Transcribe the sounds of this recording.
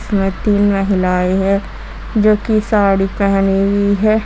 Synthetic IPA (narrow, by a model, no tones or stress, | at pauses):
smẽt̪iːnmɐɦɪlaːiɦɛ | d͡ʒoːkisaːɽipɛɦniɡiɦɛ